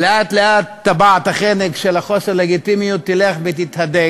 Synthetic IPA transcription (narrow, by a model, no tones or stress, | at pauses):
leʔat̪leʔat̪ːabat̪haχenekʃelaχo̞seʁleɡit̪imijut̪ːileχbet̪it̪had̪e